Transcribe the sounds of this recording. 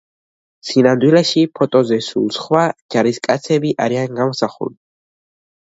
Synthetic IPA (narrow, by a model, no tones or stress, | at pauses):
sinamd̪wilɛʃipʰɔt̪ʼɔzɛsṵlˠsχwad͡ʒaɾiskʼat̪sʰɛbiʔaɾianɡamɔsaχṵli